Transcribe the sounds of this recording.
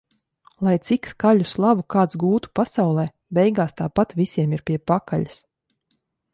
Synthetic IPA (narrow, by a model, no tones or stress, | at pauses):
lˠajt̪sikskaʎuslˠabukaːt̪sɡuːt̪u̥pasawlˠɛː | bɛjɡaːst̪aːpat̪vʲisʲiɛmiɾpʲiɛpakaʎas